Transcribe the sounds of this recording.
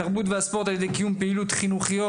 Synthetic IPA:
aʁbut̪veaspɔʁt̪aljed̪ekijumpeilut̪χinuχiɔ

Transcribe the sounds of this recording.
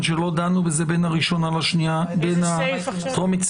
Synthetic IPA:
dʃelo̞d̪anubezebenaʁiʃo̞nalaʃniabena | komit͡s

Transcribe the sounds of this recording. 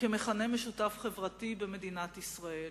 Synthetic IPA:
kemeχane̞meʃutafχe̞vʁatibeme̞dinat̪isʁae̞l

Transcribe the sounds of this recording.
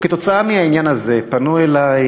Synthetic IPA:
ket̪o̞t͡saamiɦainjanaze̞panuelaj

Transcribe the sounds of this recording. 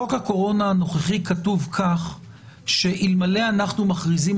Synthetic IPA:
okhako̞ʁo̞naːno̞χeχikatuvkʰaχ | ʃe̞ʔilmale̞anaχnumaχʁizim

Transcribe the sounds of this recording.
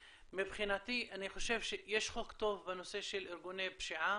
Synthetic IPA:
mebχinat̪iʔaniχoʃevʃejeʃχokt̪ovbenoseʃelʔeɾɡunebʃiʕa

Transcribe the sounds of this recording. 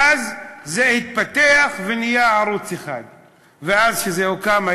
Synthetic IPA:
azzehit̪̚pat̪eaχvenijaʕaɾut͡sexa̰d̪ | veazʃezehukama

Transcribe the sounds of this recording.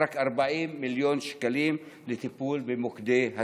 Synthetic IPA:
ɾˤɑkʔɑɾˤbaʕiːnːɪljoːnʃḁkaliːmlɪt̪ɪpuːlbɪmʊkd̪eːha

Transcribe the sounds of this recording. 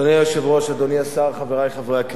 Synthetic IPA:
oniajoʃevʁo̞ʃad̪oniasaʁχaveʁajχavʁejak

